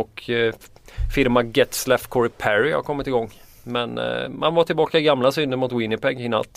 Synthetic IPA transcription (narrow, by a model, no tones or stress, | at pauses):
ɔkʰ | fɪɾmaɡɛt̪slɛfkʰɔɾɪpʰæɾɪha̰ɾkʰɔmːɪt̪ɪɡɔŋː | mɛnma̰nvaʈʰɪlbɑːkaɪɡamlasʏnd̪əɾmʊt̪wɪnːɪpʰɛɡɪnːa̰lt̪